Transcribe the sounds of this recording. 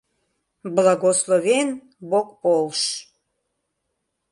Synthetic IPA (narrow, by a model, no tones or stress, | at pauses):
blɑɣoslˠoβen | bokpolˠʃ